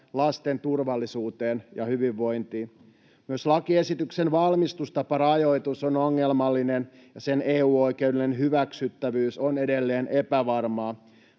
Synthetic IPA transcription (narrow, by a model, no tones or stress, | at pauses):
lɑst̪e̞nt̪urʋɑlːisuːt̪eːnjɑhyʋiʋːo̞jnt̪i | myøslɑkie̞sit̪yksenʋɑlmist̪ust̪ɑpɑrɑjo̞it̪usonoŋːe̞lmɑlːinen | jɑse̞neːuːo̞jke̞uwdelinenɦyʋæksyt̪ːæʋyːsone̞delːeːnʔe̞pæʋɑrmɑː